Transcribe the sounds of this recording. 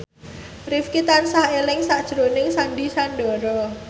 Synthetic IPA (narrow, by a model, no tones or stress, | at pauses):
rifkit̪ansahelɪŋsaʔd̥ʒ̥ɾonɪŋsanɖisanɖɔɾɔ